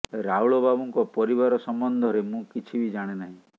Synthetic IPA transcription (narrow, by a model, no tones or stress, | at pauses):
ɾauɭɔbabuŋkɔpɔɾiβaɾɔsɔmbɔnd̪ʱɔɾemũkit͡ʃʰibid͡ʒaɽ̃enaɦĩ